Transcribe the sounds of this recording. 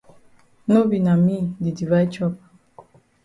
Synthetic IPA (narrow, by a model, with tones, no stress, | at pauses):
no˦bi˨na˨mi˦di˨di˨va˦i˦t͡ʃɔ˦p